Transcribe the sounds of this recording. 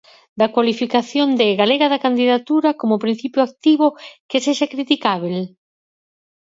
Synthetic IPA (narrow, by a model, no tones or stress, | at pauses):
d̪akwalifikaθjond̪ɪɣaleɣaðɐkand̪iðat̪uɾɐkomopɾin̟θipjoak̚t̪iβokeseʃakɾit̪ikaβel